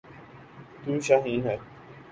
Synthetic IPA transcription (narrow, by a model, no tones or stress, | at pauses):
t̪uːʃaːɦĩːnɦɛ